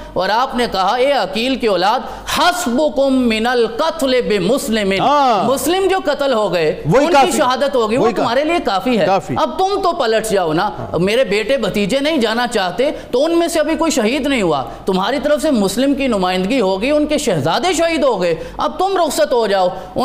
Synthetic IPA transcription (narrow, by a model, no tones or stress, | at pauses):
ɔːɾaːpnekɐɦaeːɐkiːlkeɔːlaːd̪ | hɐsbʊkʊmːɪnɐlqɐt̪ʰlebɪmʊslɪmɪnnmʊslɪmd͡ʒoːkɐt̪əlɦoɡɐeʊnkiʃɐɦaːd̪ət̪ɦoːɡəiʋot̪mɦaːɾeliekaːfiɦɛːiɐb̚t̪ʊmt̪opɐləʈʰd͡ʒaːona | meːɾebeːʈebɐt̪iːd͡ʒenɐɦĩd͡ʒaːnat͡ʃaːɦt̪et̪oʊnmẽseɐbʱikoːiʃɐɦiːd̪nɐɦĩɦua̰ | t̪ʊmɦaːɾit̪ɐɾəfsemʊslɪmkinʊmaːɪ̃nd̪əɡiɦoɡəiʊnkeʃɛɦzaːd̪eʃɐɦiːd̪ɦoɡɐeɐb̚t̪ʊmɾʊxsət̪ɦod͡ʒaːoː | ʊ